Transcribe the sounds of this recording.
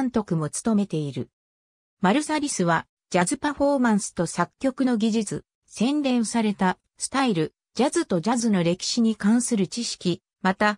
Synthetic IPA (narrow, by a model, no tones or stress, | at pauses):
nt̪o̞kɯ̟mo̞t͡sɨ̥t̪o̞me̞t̪e̞iɾɯ̟̰ | maɾɯ̟saɾʲisɨβa | d͡ʑazɨpaɸo̞ːmãɰ̃sɨ̥t̪o̞sakʲːo̞kɯ̟no̞ɡʲiʑit͡sɨ̰ | sẽ̞nd̪ẽ̞ɰ̃saɾe̞t̪a | sɨ̥t̪aiɾɯ̟ | d͡ʑazɨt̪o̞d͡ʑazɨno̞ɾe̞kʲi̥ɕiɲ̟ikãɰ̃sɨɾɯ̟t͡ɕiɕi̥kʲi | mat̪a